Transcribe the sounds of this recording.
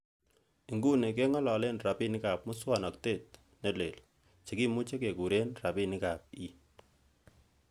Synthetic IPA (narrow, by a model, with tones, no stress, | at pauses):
i˨ŋɡu˦ne˨k̬e˦ŋɔ˦lɔ˨le˦nra˨pi˦nɪ˦ka˨p̚mʊ˦swa˨nɔ˨k̚te˦˨t̚ | ne˦le˨l | t͡ʃe˨ki˦mu˦t͡ʃe˦ke˨ku˨ɾe˦nra˨pi˦nɪ˦ka˨p̚i˦